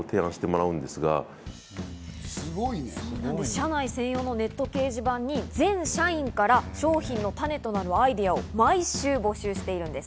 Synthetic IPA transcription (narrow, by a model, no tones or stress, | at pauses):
ot̪ʰe̞ːãɕi̥t̪emo̞ɾaɯ̟̃nd̪e̞sɨɡa̰ | ɨɡinãnd̪eɕanaisẽɰ̃jo̞ːno̞ne̞t̪ːo̞ke̞ːʑibãɲ̟ːid͡zẽ̞ɰ̃ɕaĩŋkaɾaɕo̞ːçĩnːo̞t̪ane̞t̪o̞naɾɯ̟aid̪e̞ao̞maiɕɨːbo̞ɕɨːɕi̥t̪e̞iɾɯ̟̃nd̪e̞sɨ̥